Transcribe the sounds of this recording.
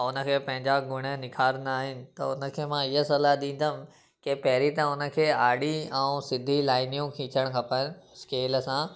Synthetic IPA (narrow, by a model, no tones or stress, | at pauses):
ʊnə̆kʰeːpɐ̃ɦɪ̃ɲd͡ʑaɡʊɽ̃ənɪkʰaːɾnaːɦɪnɪ̆t̪ɐʊnə̆kʰeːmãɪɦəsɐlaɗĩːn̆d̪ʱəm̆ | kepɐɦɾit̪ɐʊnə̆kʰeːaːɽiɛ̃ũsɪd̪ʱilaːɪnijũkʰĩːt͡ɕəɽ̃kʰɐpən̆skeːləsãː